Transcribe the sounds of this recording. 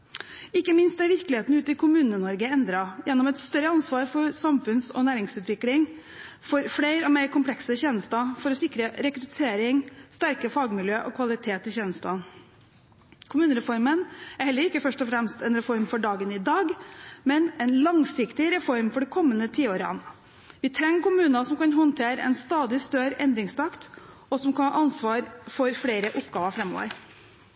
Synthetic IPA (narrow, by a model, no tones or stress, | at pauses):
ɪkːəmɪnst̪d̪ɛʋɪɾklɪheːt̪nʉːt̪əɪkʰʊmʉːnənɔɾɡəɛnd̪ɾɑjʔɛnːɔmɛt̪st̪œɾəɑnsʋɑːɾfɔɾsɑmfʉnsɔ̰næːɾɪŋsʉːt̪ʰʋɪklɪŋ | fɔɾfɽeɪɾɔmeɪɾkʰʊmpʰlɛksəçɛːnəst̪ɑfɔɾɔsɪkɾəɾɛkɾʉt̪ʰeːɾɪŋst̪æɾkəfɑːɡmɪljøːʔɔkʰʋɑlɪt̪ʰeːt̪ɪçɛːnəst̪ɑ̰n | kʰʊmʉːnəɾɛfɔɾmənæɾhɛlːəɾɪkːəfœʂʈɔfɾɛmst̪ɛnɾɛfɔɾmfɔɖɑːɡənɪd̪ɑːɡmɛnɛnlɑŋsɪkt̪ɪɾɛfɔɾmfɔɖɛkʰɔmːənət̪ʰiːoːɾɑ̰n | ʋɪt̪ʰɾɛŋːkʊmʉːnɑsɔmkɑnhɔnt̪ʰeːɾəɛ̰nst̪ɑːd̪ɪst̪œɾɛnd̪ɾɪŋst̪ʰɑkt̪ | ɔsɔmkʰɑnɑːʔɑnsʋɑːɾfɔɾfɽeɪɾəʔʊpɡɑːʋɑfɾɛmːo̰ːʋə̰ɾ